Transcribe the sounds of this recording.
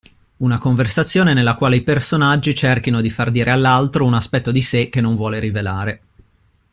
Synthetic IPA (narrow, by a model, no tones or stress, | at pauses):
unakoɱversat̪sːjoːnenelːakwaːleipersonad͡ʒːit͡ʃerkinod̪ifard̪iːɾʔealːalt̪ɾounaspɛt̪ːod̪isek̟ːenːoɱvwɔːleɾivelaːɾe